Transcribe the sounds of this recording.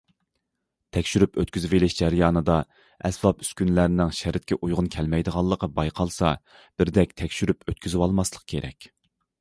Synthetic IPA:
t̪ʰɛkʲʃyɾypøt̪kʲyzɪvelɪʃd͡ʒæɾjɑːnɨd̪ɑ | ɛsbɑpy̥skʲynlæɾɪnɪŋʃæɾɪt̪̚kʲʰɛʔujʁʊnkʲʰɛlmɛjd̪əʁɑlˠːəqʰəbɑjqʰɑlˠsɑ | b̥ɪɾd̪ɛk̚ʲt̪ʰɛkʲʃyɾypøt̪kʲyzwɑlˠmɑslˠə̥q̚kʲʰeɾʔɛ̰kʲ

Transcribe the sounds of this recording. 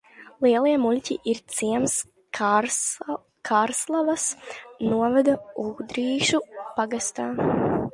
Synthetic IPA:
lˠiɛlˠiɛmulʲcʲiʔiɾt̪siɛms | kʰaːɾslˠavasnuɔvɛd̪auːd̪ɾiːʃupaɡast̪aː

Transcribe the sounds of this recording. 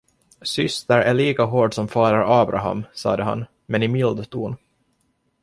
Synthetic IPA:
sʏst̪əɾæɭiːkaɦoːɖsɔmfɑːɾaɾɑːbɾʔa̰ɦa̰msɑ̰ːd̪əɦa̰n | mɛnɪmɪld̪t̪ʰuːn

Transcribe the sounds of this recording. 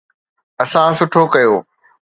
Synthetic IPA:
ɐsãsʊʈʰokɐjoː

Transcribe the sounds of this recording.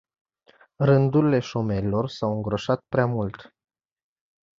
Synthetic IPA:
rɨnd̪uɾile̞ʃo̞me̞ɾilo̞rsawɨŋɡɾo̞ʃat̪̚pɾeamult̪

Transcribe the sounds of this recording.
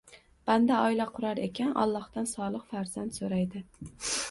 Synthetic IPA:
b̥and̪aɒɪlaqʰʊɾaɾekʲʰanʔɒ̰lˠːɒhd̪ansɒlˠɨqfaɾzant̪soɾajd̪ɪ

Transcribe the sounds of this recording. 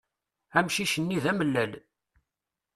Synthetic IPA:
æmʃiʃənːiðæməlːæl

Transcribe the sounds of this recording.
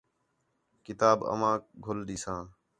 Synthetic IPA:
kɪt̪aːbə̰mãːkɡʱʊlɗ̪iːsãː

